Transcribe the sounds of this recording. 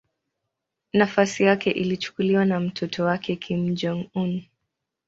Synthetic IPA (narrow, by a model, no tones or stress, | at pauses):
nafasijakɛʔilit͡ʃu̥kuliwanam̩tʰɔtʰɔwakʰɛkʰim̩d͡ʒɔŋun